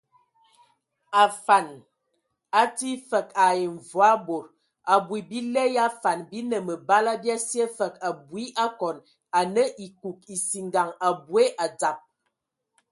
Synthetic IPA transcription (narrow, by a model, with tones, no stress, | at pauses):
a˨fa˨n | a˦ti˦fə˨ka˨je˨ɱ˨vwa˦bo˨ɾ | a˨bwi˨bi˦lɛ˦ja˦fa˨nbi˦nə˨mə˨ba˦la˦bja˦sje˦fə˨ka˨bwi˦ʔa˦kɔ˨n | a˨nə˦ʔi˨ku˨k̚i˨si˨ŋɡa˨ŋa˨bwe˦ʔa˨d͡za˨p̚